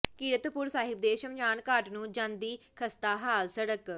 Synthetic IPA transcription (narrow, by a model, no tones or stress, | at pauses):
kiːɽət̪pʊɾsaːɦɪb̚d̪eːʃəmd͡ʒaːnkaːʈnũːd͡ʒãːnd̪iːkʰəst̪aːɦaːlsəɽək